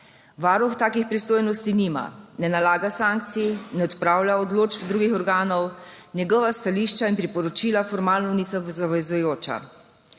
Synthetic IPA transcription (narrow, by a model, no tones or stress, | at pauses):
ʋaɾuxt̪aːkixpɾist̪oːjnɔst̪iniːma̰nɛnalaːɡasaŋk̚t̪sinɛɔt̪pɾaːwlaɔd̪loːd͡ʒbd̪ɾuːɡixɔɾɡaːnɔwnʲjɛɡɔʋast̪aliːʃt͡ʃainpɾipɔɾɔt͡ʃiːlafɔɾmaːlnɔnisazaʋɛzujoːt͡ʃa̰